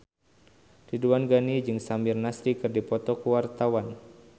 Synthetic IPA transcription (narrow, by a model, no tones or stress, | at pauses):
d̥iduanɡanid͡ʒɨŋsamirnasɾikɨrdipɔt̪ɔkuwart̪awan